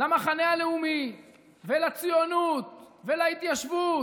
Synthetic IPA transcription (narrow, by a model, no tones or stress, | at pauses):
lamaχanealeumi | velat͡sijo̞nut̪velait̪jaʃvu